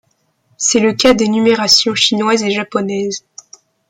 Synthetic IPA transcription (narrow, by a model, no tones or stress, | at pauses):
sɛləkad̪enymeʁasjɔ̃ʃinwazeʒapɔnɛz